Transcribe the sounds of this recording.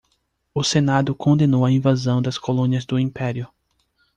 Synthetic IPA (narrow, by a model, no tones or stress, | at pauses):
ʊsenad̪ʊkõnd̪ẽnowɐĩvazɐ̃w̃d̪ɐskolõniɐzd̪ʊĩpɛɾiʊ